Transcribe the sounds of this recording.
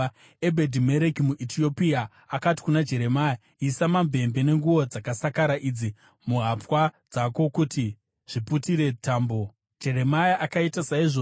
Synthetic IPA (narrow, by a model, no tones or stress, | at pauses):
ebʱedʱime̞ɾekimuʔitʰio̞pia | akati̥kunad͡ʒe̞ɾe̞maja | isamambe̞mbe̞ne̞ŋɡuʋo̞d͡zakasakaɾaʔid͡zi | muɦapwad͡zako̞kuti | ʐ̥iputiɾe̞taːmbo | d͡ʒe̞ɾemajaʔakaitasaiʐo